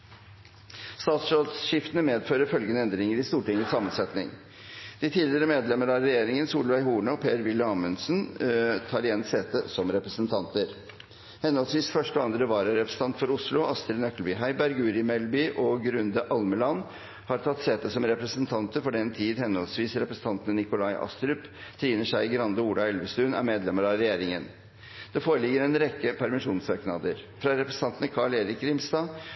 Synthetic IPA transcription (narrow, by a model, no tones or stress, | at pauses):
st̪ɑːt̪sod̪sʃɪft̪ənəmeːd̪føːɾəfœlɡənəɛnd̪ɾɪŋəɾɪst̪uːʈɪŋːəsɑmənsɛt̪nɪ̰ŋ | d̪̥ɪt̪ʰiːlɪɾəmeːd̪lɛməɾɑːɛjeːɾɪŋənsuːlʋæɪɦuːɳəpʰeːɾʋɪlːəɑːmənsnt̪ʰɑːɾɪjɛnːseːt̪əsɔmɾɛpɾəsənt̪ʰɑnt̪əɾ | hɛnːhɔlsʋiːsfœʂʈɔɑnd̪ɾəʋɑːɾəɾɛpɾəsə̥n̩ʰɑnt̪fɔɾʊslʊʔɑst̪ɾnœkːəlbʏːɦæɪbæɾɡʉːɾɪmɛlbyːʔɔɡɾʉnd̪əʔɑlməlɑnː | hɑɾt̪ʰɑt̪ːseːt̪əsɔmɾɛpɾəsənt̪ʰɑnt̪əɾfɔɖɛnt̪ʰiːd̪hɛnːɔlsʋiːsɾɛpɾəsn̩t̪ʰɑnt̪ənənɪkʊlɑɪʔɑ̰st̪ɾʉpt̪ʰɾiːnəʂæɪɡɾɑnd̪əuːɖ̪ɑɛlʋəst̪ʉːnæ̰ɾmeːd̪lɛməɾɑɾɛjeːɾɪŋən | d̪̥ɛfoːɾəlɪɡːəɾɛnɾɛkːəpʰæɾmɪʂuːnsʋɑknɑd̪əɾ | fɾɑɾɛpɾəsn̩ɑnt̪ənəkʰɑɭeːɾɪkɾɪmst̪ɑː